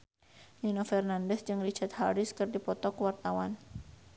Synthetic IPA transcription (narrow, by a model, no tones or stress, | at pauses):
ninɔfɛrnandɛsd͡ʒɨŋrit͡ʃat̪̚haɾɪskərdipɔt̪ɔkəwart̪awan